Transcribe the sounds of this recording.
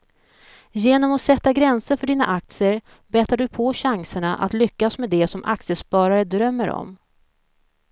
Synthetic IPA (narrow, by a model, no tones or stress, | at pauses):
jeːnɔmɔsɛt̪ːaɡɾɛnsəɾfœɖiːna̰ʔak̚t̪sɪəɾ | bɛːt̪aɖɵpʰɔɕaŋsəɳaʔa̰t̪lʏkːasmɛd̪ɛsɔmʔa̰k̚t̪sɪəspɑːɾaɾəd̪ɾœmːəɾɔ̰m